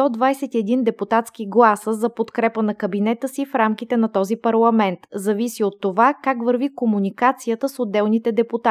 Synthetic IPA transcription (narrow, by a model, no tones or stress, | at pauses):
t̪ɔd̪vajsɛt̪iɛd̪ind̪ɛput̪at̪sk̟iɡlˠasəzɐpot̪kɾɛpənɐkəbinɛt̪əsifɾamk̟it̪ɛnɐt̪ɔzipɐɾlˠɐmɛnt̪zɐvisiot̪ːovakakvəɾvikomunikat̪sijət̪əsod̪ːɛlˠnit̪ɛd̪ɛput̪a